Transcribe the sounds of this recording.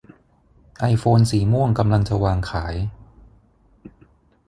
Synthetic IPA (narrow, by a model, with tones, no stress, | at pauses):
ʔa˧jfoː˧nsiː˩˦mu˥˩əŋka˧mla˧ŋt͡ɕa˧˨waː˧ŋkʰaː˩˦j